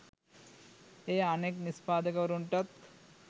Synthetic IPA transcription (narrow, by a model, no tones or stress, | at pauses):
eaneknispaːd̪ɐkɐɾuɳʈɐt̪